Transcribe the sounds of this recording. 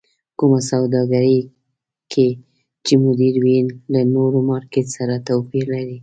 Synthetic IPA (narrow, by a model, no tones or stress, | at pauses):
kumasawd̪ɑɡaɾəj | kʰe | t͡ʃemʊd̪iɾwinlanoɾomɑɾket̪saɾat̪awpiɾlaɾi